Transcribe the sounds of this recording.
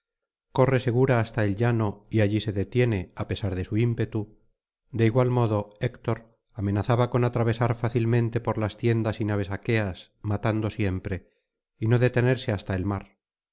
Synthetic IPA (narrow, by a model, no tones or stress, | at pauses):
ko̞re̞se̞ɣ̞uɾaːst̪ae̞lʎano̞iaʎise̞ðe̞t̪je̞ne̞ape̞saɾðe̞suimpe̞t̪u | d̪e̞iɣwalmo̞ðo̞ekt̪o̞ɾ | ame̞naθaβako̞nat̪ɾaβ̞e̞saɾfaθilmẽ̞nt̪e̞po̞ɾlast̪jend̪asinaβ̞e̞sake̞as | mat̪and̪o̞sje̞mpɾe̞ | ino̞ðe̞t̪e̞ne̞ɾse̞ast̪ae̞lmaɾ